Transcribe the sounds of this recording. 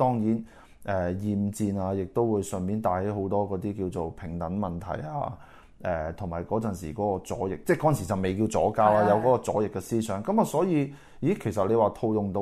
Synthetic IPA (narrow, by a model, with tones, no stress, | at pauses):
t̪ɔː˥ŋjiː˨˥n | ʔɛː˨jiː˨mt͡siː˧naː˧jɪ˨k̚t̪o˥wwuː˨˧jsœː˨˩nmiː˨˥nt̪aː˨˧he˨˥jɦo˨˥wt̪ɔː˥kɔː˨˥t̪iː˥kiː˧wt͡so˨wpʰɪ˨˩ŋt̪ɐ˨˥nmɐ˨nt̪ʰɐ̰˨˩ja̰ː˧ | ʔɛː˨˧t̪ʰʊ˨˩ŋmaː˨˩jkɔː˨˥t͡sɐ˨˩nsiː˨˩kɔː˨˥kɔː˧t͡sɔ̰ː˨˥jɪ˨k̚t͡sɛː˥˩kɔː˨˥jɐ˨nsi˨˩t͡sɐ˨wme˨jkiː˧wt͡sɔ̰ː˨˥kaː˥wlaː˥jɐ˨˧wkɔː˨˥kɔː˧t͡sɔː˨˥jɪ˨kːɛ˧siː˥sʰœː˨˥ŋkɐ˨˥maː˨sɔː˨˥jiː˨˧ | ji˨˥kʰe˨˩jsɐ˨t̚le˨˧jwaː˨t̪ʰo˧wjʊ˨ŋt̪o˧